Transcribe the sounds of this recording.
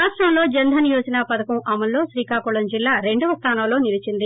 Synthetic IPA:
aːʈɾɐmlo̞ːd͡ʒɐnd̪ʱɐnijoːd͡ʒɐnaːpɐd̪ɐkɐmʔɐmɐlːo̞ːsɾiːkaːkuɭɐmd͡ʒilːaːɾeɳɖuʋɐst̪ʰaːnɐmloːnilit͡ʃind̪i

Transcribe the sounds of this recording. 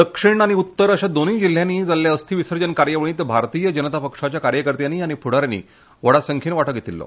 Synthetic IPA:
d̪əkʂiɳaɽ̃iut̪ːəɾəɕad̪oniːd͡ʑil̤ːjaniːd͡zalːjaəst̪ʰiːʋisəɾd͡ʑənkaɾjəʋəɭ̃ĩt̪bʱaɾt̪ijəd͡ʑənət̪apəkʂat͡ɕjakaɾjəkəɾt̪janiːaɽ̃ipʰuɽ̤aɾanḭː | ʋəɽasəŋkʰiːnʋaʈəkɡjet̪ilːɔ̰

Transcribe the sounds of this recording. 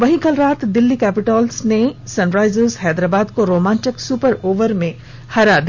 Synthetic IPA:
ʋɐɦĩkɐlɾaːt̪d̪ɪlːikɛːpɪʈaːlsnesɐ̃nɾaːɪzəzhɛːd̪ɾaːbaːd̪koɾoːmãːnʈɪksuːpəɾoːʋəɾmẽ | hɐɾad̪

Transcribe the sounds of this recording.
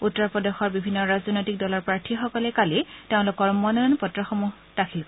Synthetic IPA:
utːɔɹpɔdɔxɔɹbibʱinːɔɹazɔnojtik̚dɔlɔɹpɹaɹtʰixɔkɔlɛkaliteʊ̃lʊkːɔɹmɔnɔnpɔtɹɔxɔmuɦ | d̥akʰilk

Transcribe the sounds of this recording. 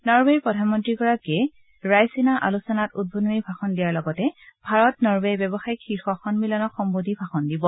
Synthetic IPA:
nɔɹbɛɹpɹɔdʱanmɔntɹikɔɹake | ɹajsinaʔa̰lusɔnatud̚bʱonumibʱaxɔndijaɹlɔɡɔtɛb̥ʱaɹɔtnɔɹbɛjbɔbɔxajkxixɔxɔnmilɔnɔxɔmbodibʱaxɔndibɔ

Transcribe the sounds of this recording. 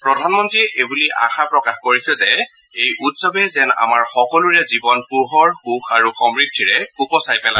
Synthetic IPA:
pɹɔdʱanmɔntɹiʔebuliʔa̰xapɹɔkaxkoɹisɛzɛ | ejʔutsɔbɛzɛna̰maɹxɔkɔluɹɛzibɔnpuɦɔɹxuxaɹuxɔmɹidʱːiɹɛkupɔsajpɛla

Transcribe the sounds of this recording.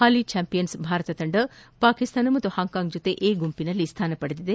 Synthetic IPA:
haːlit͡ʃaːmpijɐnsbʱaːɾɐt̪ɐt̪ɐɳɖɐpaːkist̪ʰaːnɐmɐt̪uhaːŋkaːŋɡd͡ʒut̪eʔeːɡumpinɐlːist̪ʰaːnɐpɐɽed̪id̪e

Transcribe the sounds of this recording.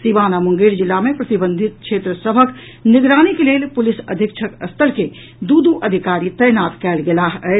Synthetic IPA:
sibanamuŋɡiɾd͡ʒilːamepɾət̪ibə̃nd̪ʱit̪̚kʰʃʰet̪ɾəsəbʱək | niɡɾanikelelpulisə̰d̪ʱikt͡ʃʰəkəst̪ʰəlke | d̪ud̪uʔəd̪ʱikaɾit̪əjnat̪kɛlɡelaɦɛ

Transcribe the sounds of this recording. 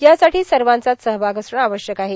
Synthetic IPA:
jasaʈiːsəɾʋant͡sat̪səɦbʱaɡəsɳ̃aʋəɕjəkaɦe

